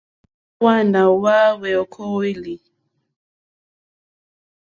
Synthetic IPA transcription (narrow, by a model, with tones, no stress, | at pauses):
wa˦˨nda˨wa˦wɛ˨ɔ˨kʰo˦we˦li˨